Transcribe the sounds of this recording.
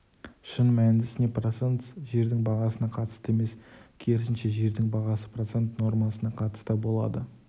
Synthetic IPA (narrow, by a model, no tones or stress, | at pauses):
ʃənmæd̪ɪsɪneprosent̪ʒe̞ɾd̪ɪŋbɑʁɑsənɑqʰɑt̪ə̥st̪əe̞me̞skʲʰe̞ɾɪsɪnʃe̞ʒe̞ɾd̪ɪŋbɑʁɑsəpɾrot̪se̞nt̪no̞ɾmɑsənɑqʰɑt̪ə̥st̪əbo̞lˠɑ̰d̪ə